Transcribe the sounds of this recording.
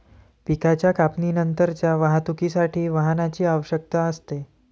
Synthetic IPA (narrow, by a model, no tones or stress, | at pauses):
pikat͡ɕjakapninənt̪əɾt͡ɕjaʋaɦat̪ukisaʈʰiːʋəɦnat͡ɕiːaʋəɕək̚t̪aəst̪e